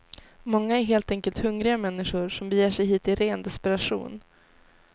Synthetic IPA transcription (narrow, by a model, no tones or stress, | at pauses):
mɔŋːaæɾɦeːlt̪ɛŋkəlt̪hɵŋɾɪɡamɛnːɪɧʊɾʂɔmbɛjeːʂɛjɦiːt̪ɪɾeːnd̪ɛspɛɾaʂṵːn